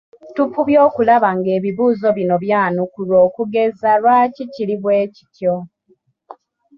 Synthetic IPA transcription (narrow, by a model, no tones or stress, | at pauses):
tupuβjoːkulaβaŋɡe̞ːβiβuːzo̞βino̞βjaːnukulwo̞ːkuɡe̞zalwaːciciliβwe̞ːci̥tjo̞